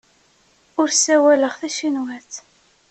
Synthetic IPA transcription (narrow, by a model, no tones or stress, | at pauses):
ʊɾsæwæləʁθæʃinwæθ